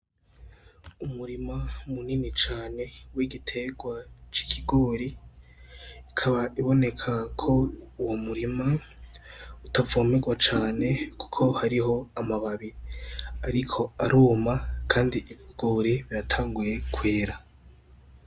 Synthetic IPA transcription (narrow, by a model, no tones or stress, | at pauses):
umuɾimamuninit͡ʃaːne̞wiɡitʰe̞ɡwat͡ʃi̥kʰiɡoːɾi | kʰaβaʔiβo̞ne̞kʰakʰo̞uwomuɾima | utavoːmeɡwat͡ʃaːne̞ku̥kʰo̞haɾiɦo̞amaβaβi | aɾikʰo̞aɾuːmakʰaːndiʔiβiɡ̥oːɾiβiɾatʰaːŋɡuje̞kwe̞ːɾa